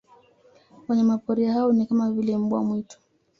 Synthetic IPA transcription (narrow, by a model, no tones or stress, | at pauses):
wɛɲɛmapɔɾiahaɔnikamavilɛm̩bwa̰mwitɔ̥